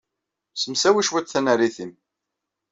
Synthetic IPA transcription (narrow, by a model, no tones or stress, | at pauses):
səmsæwiʃwæt͡sθænəɾiθim